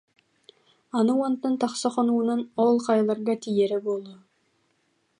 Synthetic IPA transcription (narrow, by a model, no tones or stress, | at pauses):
ɑnuwant̪ːənt̪ʰɑqsɑqonuənɑnolˠqʰɑjlˠɑɾɡɑt̪ʰijeɾɪbolˠdʊ